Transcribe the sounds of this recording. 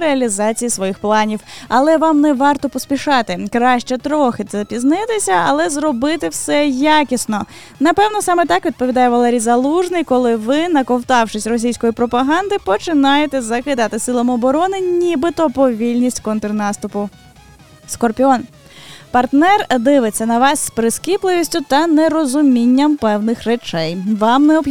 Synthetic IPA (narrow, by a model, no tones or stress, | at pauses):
ɾeɐlʲizɑt͡sʲijisʋɔjixplˠɑnʲiwɐlˠɛʋɑmnɛʋɑrt̪ɔpɔsʲpʲiʃɑt̪ɪkɾɑʃt͡ʃɛt̪ɾɔxɪt̪sɛpʲiznɪt̪ɪsʲɐɐ̰lˠɛzɾɔbɪt̪ɪwsɛjakʲisnɔ | nɐpɛwnɔsɑmɛt̪ɑkʋʲid̪̚pɔʋʲid̪ɑjɛʋɐlˠɛɾʲijzɐlˠuʒnɪjkɔlˠɪʋɪnɐkɔwt̪ɑwʃɪsʲrɔs̬ʲijsʲkɔjipɾɔpɐɦɑnd̪ɪpɔt͡ʃɪnɑjet̪ɛzɐkɪd̪ɑt̪ɪsɪlˠɐmɔbɔɾɔnɪnʲibɪt̪ɔpɔʋʲilʲnʲisʲtʲkɔnt̪ɾnɑst̪ʊpʊ | skɔrpʲiɔn | pɐrt̪nɛrd̪ɪʋɪt͡sʲːɐnɐʋɑsːʲpɾɪskʲiplˠɪʋʲisʲtʲʊt̪ɐneɾɔzʊmʲinʲːɐmpɛwnɪxret͡ʃɛjʋɑmnɛɔ